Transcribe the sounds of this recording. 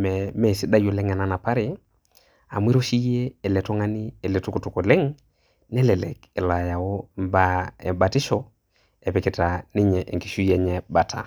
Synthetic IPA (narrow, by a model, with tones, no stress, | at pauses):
mɛ˨mɛ˦˨si˦da˦jo˨lɛ˦ŋa˨na˨na˨pa˦ɾɪ˨ | a̰˨mwi˦ɾo˦ʃi˦jeː˦˨lɛ˨tɔ˦ŋa˦nɪ˦e˨le˨tu˦ku˨tu˨ko˨le˦ŋ | nɛ˦lɛ˨lɛ̰˨ke˨la˨ja˨ɔ˦mba˦ɛ˨ba˨tɪ˦ʃɔ˦ | e˨pɪ˨kɪ˨ta˨nɪ˦ɲɛ˨ʔḛ˨ki˨ʃu˦je˨ɲɛ˨ba˨tʰa̰˨